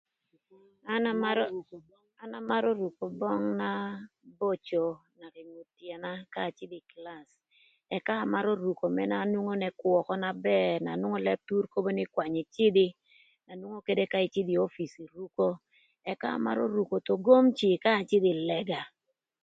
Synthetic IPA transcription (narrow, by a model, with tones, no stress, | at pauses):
a˦na˦ma˦ | a˨na˦ma˦ɾo˦ɾu˨ko˨bɔ˦ŋna˦bo˦t͡ʃo˨na˨ɾɪ˨ŋo˨tja˨na˦kaː˦˨t͡ʃɪ˦dɪ˨kla˨s | ɛ˨ka˦a˨ma˦ɾo˦ɾu˨ko˨mɛ̰˦na˦nwu˦ŋo˦nɛ˦kwɔ˨kɔ˦na˨bɛ˦na˨nwʊ˦ŋo˦lɛ˦b̚tu˦ɾko˦bo˦nɪ˦kwa˨ɲɪ˨t͡ʃɪ˦dɪ˦ | na˨nwu˦ŋo˦ke˦de˦ka˦ɪ˨t͡ʃɪ˦di˨o˦fi˨si˨ɾu˦ko˦ | ɛ˨ka˦a̰˨ma̰˦ɾo̰˦ɾu˨ko˨to˨ɡo˦mt͡ʃɪ˨kaː˦˨t͡ʃɪ˦dɪ˨lɛ˦ɡa˨